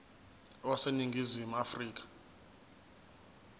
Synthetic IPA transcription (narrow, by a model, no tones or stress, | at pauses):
waseniŋɡʱizimuafriːk̬ḁ